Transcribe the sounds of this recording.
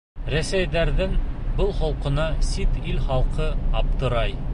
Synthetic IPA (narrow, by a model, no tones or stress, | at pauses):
ɾæsæjd̪æɾðɘŋbɤlˠχɒlˠqɤ̆nɑsit̪ilχɑlˠqɤɑp̚t̪ɤ̆ɾɑj